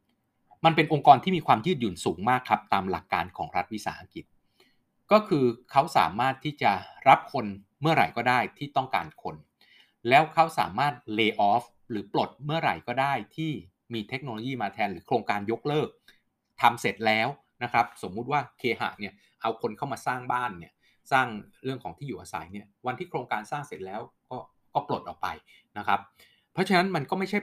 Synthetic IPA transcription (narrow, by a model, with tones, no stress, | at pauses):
ma˧npe˧nʔo˧ŋkɔː˧nt̪ʰiː˥˩miː˧kʰwaː˧mjɯː˥˩t̪̚juː˨˩nsuː˩˦ŋmaː˥˩kʰːɾa˦˥p̚t̪aː˧mla˨˩kːa̰ː˧nkʰɔː˩˦ŋɾa˦˥t̪̚wi˦˥sa̰ː˩˦ʔa˧ki˨˩t̪̚ | kɔː˥˩kʰɯː˧kʰa˦˥wsa̰ː˩˦maː˥˩t̪ʰːiː˥˩t͡ɕa˨˩ɾa˦˥p̚kʰo˧n | mɯ˥˩ɐɾa̰˨˩jkɔː˥˩daː˥˩jt̪ʰiː˥˩t̪ɔ˥˩ŋka̰ː˧nkʰo˧n | lɛː˦˥wkʰa˦˥wsa̰ː˨˩˦maː˥˩t̪̚leː˧ʔɔː˦˥f | ɾɯː˩˦plo˨˩t̪̚mɯ˥˩ɐɾa̰˨˩jkɔː˥˩daː˥˩jt̪ʰiː˥˩ | miː˧t̪ʰe˦˥k̚noː˧lo˧jiː˥˩maː˧t̪ʰɛː˧nɾɯː˩˦kʰɾoː˧ŋkaː˧njo˦˥k̚lɤː˥˩k̚ | t̪ʰa˧mse˨˩t̪̚lɛː˦˥w | na˦˥kʰɾa˦˥p̚so˩˦mːu˦˥t̪̚waː˥˩kʰeː˧ɦa̰ː˨˩ni˥˩ɐ | ʔa˧wkʰo˧nkʰa˥˩wmaː˧saː˥˩ŋbaː˥˩nːi˦˥˩ɐ | saː˥˩ŋɾɯ˥˩əŋkʰɔː˩˦ŋt̪ʰiː˥˩juː˨˩ʔaː˧sa̰˨˩˦jni˥˩ɐwa˧nt̪ʰiː˥˩kʰɾoː˧ŋkaː˧nsaː˥˩ŋse˨˩t̪̚lɛː˦˥wkɔː˥˩ | kɔː˥˩plo˨˩t̪̚ʔɔː˨˩k̚pa̰˧j | na˦˥kʰɾa˦˥pʰː | ɔ˦˥t͡ɕʰa˧na˦˥nma˧nkɔː˥˩ma˥˩t͡ɕʰa˥˩